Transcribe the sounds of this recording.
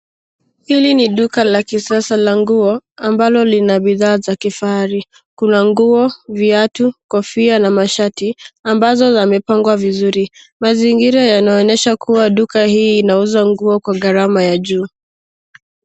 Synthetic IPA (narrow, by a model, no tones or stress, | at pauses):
hiliniɗukalakisiasalaŋɡuɔambalɔlinaɓiðaːzakifaaɾi | kunaŋɡuɔviatukɔfianamaʃatiambazɔzamɛpaŋɡwavizuɾi | maziŋɡiɾajanaɔnɛʃakuwaɗukahiːnauzaŋɡuɔkwaɣaɾamajaʄuː